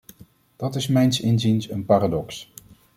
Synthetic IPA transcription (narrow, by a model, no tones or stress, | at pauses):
d̥ɑtɪsmɛjnsɪnzinsənpaːradɔks